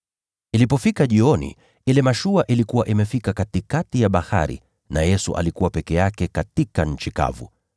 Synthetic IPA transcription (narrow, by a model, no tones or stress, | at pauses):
ilipɔfikaʄiɔnḭ | ilɛmaʃuaʔilikuwaʔimɛfikakatikatijaɓaha̰ɾḭ | na̰jɛsṵʔa̰likuwapɛkɛjakɛkatikaɲ̩t͡ʃika̰vṵ